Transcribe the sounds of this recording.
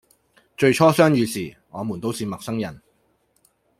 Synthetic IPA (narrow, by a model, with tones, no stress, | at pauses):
t͡ʃɵ˧ɥt͡ʃʰɔː˥sœː˥ŋjyː˨˧siː˨˩ | ŋɔː˨˧muː˨˩nt̪o˥wsiː˨mɐ˨k̚sɐ˥ŋjɐ˨˩n